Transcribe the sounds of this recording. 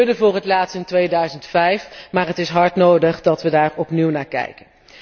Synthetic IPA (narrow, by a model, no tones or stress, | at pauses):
dəvʊːrətlaːtstɪntʋejdœɥzəntfɛjfmaːɹɦətɪsɦɑɹtnowdəχdɑtʋədaːɹɔpniwnaːɹkɛ̰jkən